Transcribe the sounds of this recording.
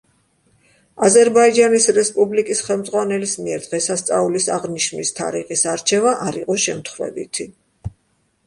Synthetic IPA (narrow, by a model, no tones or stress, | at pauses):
azɛɾbaid͡ʒanisɾɛspʼublikʼisχɛlˠmd̪zʁwanɛlismiɛɾd̪̥ʁɛsast̪sʼaulisaʁniʃmist̪ʰa̰ɾiχisaɾt͡ʃʰɛvaʔaɾiqʼɔʃɛmt̪ʰχvɛ̰bḭt̪ʰi